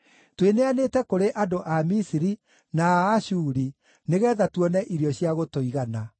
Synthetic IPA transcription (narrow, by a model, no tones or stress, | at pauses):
tweneaneːtɛkoɾeʔadoʔamisiɾi | naːɕuːɾi | neɣɛðatwɔnɛʔiɾjɔɕjaɣotoiɣana